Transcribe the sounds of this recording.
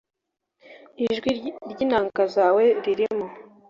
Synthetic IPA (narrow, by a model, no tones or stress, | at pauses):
iʒɡwiɾɟinaːŋkazaːweɾiɾimo